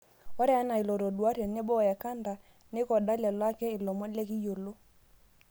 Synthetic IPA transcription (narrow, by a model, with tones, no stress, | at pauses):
ɔ˦ɾɛ˦a˦na˨ɪ˨lɔ˨ɾɔ˨dwa˦ɾɛ˨ne˦bɔ˦˨ja˨ka˦nda˨ | ne˦kɔ˨da˦lɛ˨lwa˦kɛ˦ɪ˨lɔ˨mɔ˦le˦ki˦jo˨lo˦